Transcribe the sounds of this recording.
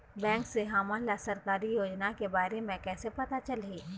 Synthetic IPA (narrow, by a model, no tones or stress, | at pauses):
bɛ̃ːŋkseɦaːmalasɐɾkaːɾijoːd͡ʒnakebaːɾemẽkɛːsepɐt̪at͡ʃɐlɦiː